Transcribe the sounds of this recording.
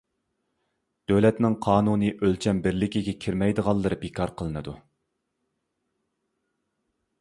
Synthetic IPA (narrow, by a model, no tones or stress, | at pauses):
d̪̥øwlɛt̪nɪŋqʰɑːnunɨʔølt͡ʃʰɛmbɪɾlɪkʲiɡʲɛkʲʰiɾmɛjd̪əʁɑlˠːɨɾɨbekʰɑɾqʰəlˠɨnɨd̪u